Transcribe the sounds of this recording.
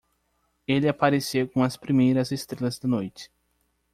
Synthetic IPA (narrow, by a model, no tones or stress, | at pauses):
elɪapaɾesewkõɐspɾimejɾɐzest̪ɾelɐzd̪ɐnojt͡ʃɪ̥